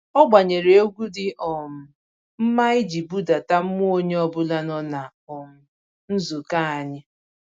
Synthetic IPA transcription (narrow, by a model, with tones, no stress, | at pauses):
ɔ˦ɡ͡ba˨ɲe˨ɾe˨o˦ɡʷu˦dɪ˨ʔɔ˨m̩˨ | m̩˦ma˦ɪ˦d͡ʒi˨bu˦da˨ta˦m̩˦m˦o˦ɲe˦ɔ˦bʊ˦la˦nɔ˦na˨ | ɔ˨m̩˨ | n̩˦zu˨ka˦a˨ɲɪ˦